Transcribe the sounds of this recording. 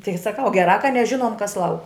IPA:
ˈtʲɪɡʲɪ sɐˈkɐʊ ɡʲɛˈrɑː kɐ nʲɛˈʒʲɪnuɔm kɐs ˈlˠɐʊk

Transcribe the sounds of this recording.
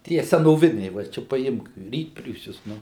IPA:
ˈtʲiɛ sʲɛnoːˈʋʲɪnʲɛɪ ʋɐ ˈt͡ʃʲɛ pɐˈɪmk ˈrʲiːtʲpʲrʲuːsʲʊs ˈnʊ

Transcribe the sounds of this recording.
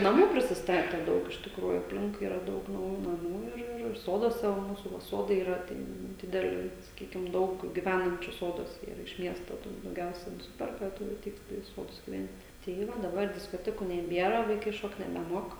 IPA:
nɐˈmuː pʲrʲɪsʲɪsˈtɑːtʲɛ ˈdɐʊk ɪʃ tʲɪkˈruːjuː ɐpʲˈlʲɪŋkʊɪ ˈiːrɐ ˈdɐʊk nɐʊˈjuː nɐˈmuː ɪr ˈɪr ˈsoːduɔsʲɛ ʋɐ ˈmuːsuː ʋɐ ˈsoːdɐɪ iːˈrɐ ˈtʲɛn ˈdʲɪdʲɛlʲɪ sɐˈkʲiːkʲɪm ˈdɐʊk ɡʲɪˈʋʲænɐnʲt͡ʃʲʊ ˈsoːduɔsʲɛ iːˈrɐ ɪʃ ˈmʲiɛstoː tuː dɐʊˈɡʲɛʊsʲɛ nʊˈsʲɪpʲɛrkɐ ˈtʊrʲɪ ɐˈtʲɛɪt tɐˈdɐ ɪ ˈsoːdʊs ɡʲɪˈʋʲɛnʲtʲ tɐɪ ˈʋɐ dɐˈbɐr dʲɪskoːˈtʲæːkuː nʲɛˈbʲiɛrɐ ʋɐɪˈkɐɪ ˈʃoːkt nʲɛbʲɛˈmuɔk

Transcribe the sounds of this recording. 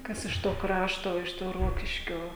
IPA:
ˈkɐs ɪʃ toː ˈkrɑːʃtoː ɪʃ ˈtoː ˈroːkʲɪʃʲkʲoː

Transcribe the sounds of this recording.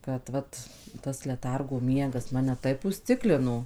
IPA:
kɐt ˈʋɐt tɐs lʲɛˈtɐrɡoː ˈmʲiɛɡɐs ˈmɑːnʲɛ ˈtɐɪp ʊsʲˈt͡sʲɪklʲɪnoː

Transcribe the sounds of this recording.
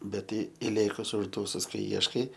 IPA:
bʲɛt ˈtɐɪ ɪˈlʲeːkʊs ʊʒˈduːsʊs kɐɪ ˈiɛʃkɐɪ

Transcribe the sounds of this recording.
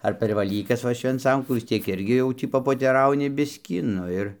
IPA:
ɐr pʲɛr ʋɐˈlʲiːkɐs ˈʋɐ ʃʲʋʲɛnˈt͡sɐŋkuː ʋʲɪs ˈtʲiɛk ˈɪrʲɡʲɪ ˈjɛʊ tʲiː pɐpoːtʲɛˈrɐʊnʲɪ ˈbʲɪsʲkʲiː ˈnʊ ɪr

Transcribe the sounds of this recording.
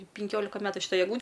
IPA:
pʲɪŋʲˈkʲoːlʲɪkɐ ˈmʲæːtʊ ʃʲɪˈtɐɪ ɛɡˈlˠuː

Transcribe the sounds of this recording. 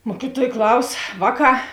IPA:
ˈmuɔkʲɪˌtuɔj ˈklˠɐʊs ˈʋɑːˌkɑː

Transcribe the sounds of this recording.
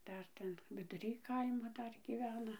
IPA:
ˈdɐr ˈtʲɛn ʋʲɪdʊˈrʲiː ˈkɐɪmoː ˈdɐr ɡʲiːˈʋʲæːnɐ

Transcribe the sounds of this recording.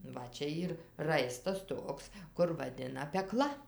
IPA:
ˈʋɐ ˈt͡ʃʲɛ ˈiːr ˈrɐɪstɐs ˈtoːks kʊr ʋɐˈdʲɪnɐ pʲɛˈklˠɐ

